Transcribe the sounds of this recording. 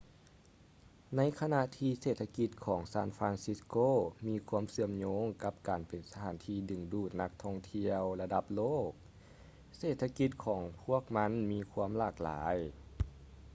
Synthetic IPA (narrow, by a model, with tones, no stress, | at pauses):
na˧˥jkʰa˧na˧ʔt̪ʰiː˧seː˧˨˩t̪ʰːa˧ki˧˥t̪̚kʰɔː˩˦ŋsaː˧˥˨nfɾaː˧nsi˧˥skoː˧˨miː˧kʰu˧˥əmsɯ˧˨əmɲoː˧˥ŋka˧˥p̚kaː˨npe˨˩nsa˧t̪ʰaː˨˦nt̪ʰiː˧dɯ˨˩ŋduː˧˩t̪̚na˧˥k̚t̪ʰɔ˧˩ŋt̪ʰi˧əwla˧da˧˦p̚loː˥˩k̚ | seː˨˩t̪ʰːa˧ki˧˥t̪̚kʰɔː˩˦ŋpʰu˧˥˩ək̚ma˧˥nmiː˧kʰu˧˥əmlaː˧˩k̚la̰ː˩˨˦j